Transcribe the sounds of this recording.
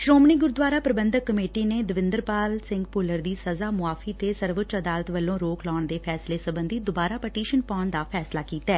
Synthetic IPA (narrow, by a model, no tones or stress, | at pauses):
ʃɾoːmniːɡʊɾd̪wʋaːɾaːpɾəbənd̪əkːəmeːʈiːneːd̪əʋɪnd̪əɾpaːlsɪ̃ŋɡpʊləɾd̪iːsəzaːmʊaːfʰiːt̪eːsəɾʋʊt̪ːt͡ʃəd̪aːlət̪ʋəlːõːɾoːklɔːɳd̪eːpʰɛːsleːsəbə̃nd̪iːd̪ʊbaːɾaːpəʈiːʃənpɔːnd̪aːpʰɛːslaːkiːt̪aɛː